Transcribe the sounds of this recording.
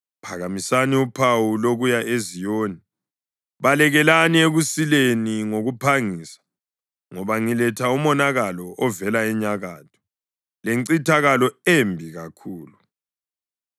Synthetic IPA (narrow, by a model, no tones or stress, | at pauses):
pʰaɣamisaniupʰawuloɣujaʔezijoːni | βalɛɣɛlanieɣusileniŋoɣupʰaŋiːsḁ | ŋɔβaŋilɛtʰaumɔnaɣalɔʔɔvɛlaɛɲaɣaːtʰɔ̥ | leŋǀitʰaɣalɔembʱiɣakʰuːlu